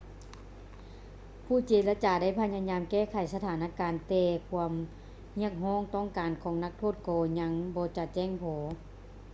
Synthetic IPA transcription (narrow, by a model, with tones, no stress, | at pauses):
pʰuː˧˩t͡ɕeː˨˩la˧t͡ɕaː˨˩da˥˨jpʰa˧ɲaː˧ɲaː˧mkɛː˥˩˨kʰa˨˩jsa˧t̪ʰaː˨˦nʔaː˧kaː˨nt̪ɛː˧kʰu˧əm | hi˧˥˩ək̚ɦɔː˧˥˩ŋt̪ɔː˧˥˩ŋkaː˨nkʰɔː˨˦ŋna˧˥k̚t̪ʰoː˥˩t̪̚kɔː˧ɲa˧˥ŋbɔː˧˦t͡ɕa˧t͡ɕɛː˧˥˩ŋpʰɔː˨˦